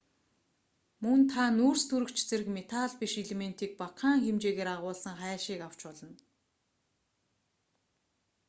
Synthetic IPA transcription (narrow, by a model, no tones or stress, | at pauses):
mɵnt̪ʰanuːrst̪ʰuɾɵ̆kt͡ɕt͡seɾɘ̆kmet̪ʰaɮpiʃeɮemen̥t̪iːk̚paqaːŋxemt͡ɕeːɣeːɾaʁʊːɮsə̆ŋχæːʃiːkaw̥t͡ɕpɔɮə̆n